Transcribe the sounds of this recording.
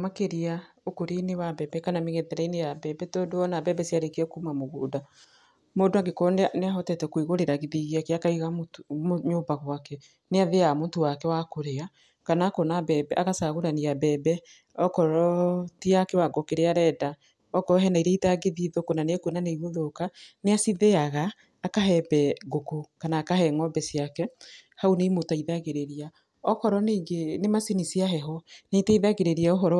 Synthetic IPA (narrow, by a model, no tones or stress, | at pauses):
makeɾiaokoɾinewabɛbɛkanameɣeðɛɾainejabɛbɛtoːndoɔnabɛbɛsiaɾekeɛkumamoɣoːda | modoaɡekɔneaneaɦɔtɛtɛkwiɣoɾeɾaɣeðiɣiakeakaiɣammɲoːbaɣwakɛ | neaðeamontowakɛwakoɾea | kanakɔnabɛbɛʔaɣasaɣoɾanejabɛːbɛ | ɔkɔɾɔtiakɛwaɡɔkeɾeaɾɛda | ɔkɔɦɛnaiɾɛitaɡeðiðokonanekwenaneiβoðokaneasiðeaɣaː | kaɦɛbɛɡokokanaːkaɦɛŋɔbɛsijakɛhaunemotaiðaɣeɾeɾia | ɔhɔɾɔneɡenemasinisiaɦɛɦɔnetɛiðaɣeɾeɾiaoɦɔɾɔ